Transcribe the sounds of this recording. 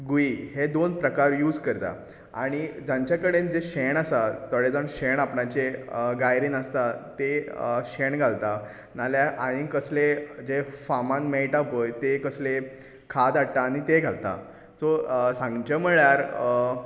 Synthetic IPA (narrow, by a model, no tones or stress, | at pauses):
ɡuiɦed̪onpɾəkaɾjuːd͡zkəɾt̪a̰ | a̰ɽ̃id͡ʑãɲt͡ɕjakəɽend͡ʑeɕeɳasat̪əɽed͡zaɳɕeɳapɳat͡ɕeɡajɾiːnəst̪at̪eɕeɳɡʱalt̪a | naljaʔãĩkəsled͡ʑefamãnmejʈabʱəjt̪ekəsle | kʰad̪aɽt̪aːɽ̃it̪eɡʱalt̪a̰ | t͡sosãŋɡt͡ɕəməɭjaɾ